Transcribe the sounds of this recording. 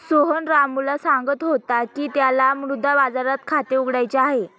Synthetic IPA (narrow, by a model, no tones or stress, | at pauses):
soɦonɾamulasaŋɡət̪ɦot̪akiːt̪jalamɾud̪ʱabad͡zaɾat̪̚kʰat̪euɡɽajt͡ɕeaɦe